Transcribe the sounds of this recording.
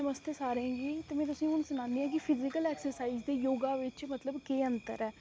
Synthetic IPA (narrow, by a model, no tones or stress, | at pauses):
əməst̪esaːɾẽːɡiːt̪eːmɛ̃ːt̪ʊsĩːʊnsʊñãːnd̪iːɦãːk̬ɪpʰɪzɪkəlɛːksəɾsaːiːzd̪eːjoːɡaːʋɪt͡ʃmət̪ləbkeːənt̪ə̰ɾɛː